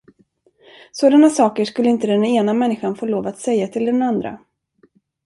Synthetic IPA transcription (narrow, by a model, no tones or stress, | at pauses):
soːd̪anasɑːkəʂkɵlːəɪnt̪əd̪ɛneːnamɛnːɪɧanfoːloːvat̪sɛjːat̪ʰɪld̪ɛnand̪ɾa̰